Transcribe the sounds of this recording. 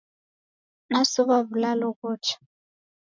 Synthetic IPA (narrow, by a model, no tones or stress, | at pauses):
nasɔβaβulalɔkɔːt͡ʃʰḁ